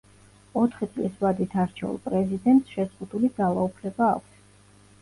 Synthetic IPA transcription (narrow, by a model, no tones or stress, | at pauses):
ɔt̪ʰχit̪sʼlisvad̪it̪ʰaɾt͡ʃʰɛṵlˠpʼɾɛzid̪ɛnt̪ʼsʃɛzʁud̪ulid̪zalˠaupʰlɛbaːkʷʰs